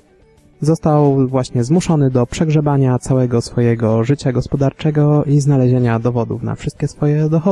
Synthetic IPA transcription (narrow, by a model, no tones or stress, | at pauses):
zɔst̪awvwaɕɲɛzmuʂɔnɘd̪ɔpʂɛɡʐɛbaɲat̪sawɛɡɔsfɔjɛɡɔʐɘt͡ɕaɡɔspɔd̪aɾt͡ʂɛɡɔiznalɛʑeɲad̪ɔvɔd̪ṵfna̰fʂɘst̪̚kʲɛsfɔjɛd̪ɔxɔ